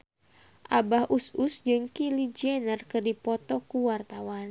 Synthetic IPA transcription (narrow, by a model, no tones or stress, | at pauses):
ʔabahʔususd͡ʒɨŋkilid͡ʒiɛnərkɨrdipɔt̪ɔkuwart̪awan